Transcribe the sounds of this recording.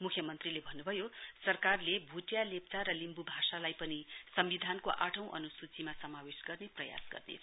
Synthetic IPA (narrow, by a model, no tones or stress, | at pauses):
mukʰjʌmʌnt̪rilebʱʌnːubʱʌjosʌrkarlebʱuʈjalep̚t͡saɾʌlimbubʱasalajpʌnisʌmbid̪ʱankoʔaʈʰʌ̃w̃ʔʌ̰nusut͡simasʌmawesɡʌrneprʌja̰sɡʌ̰rnḛ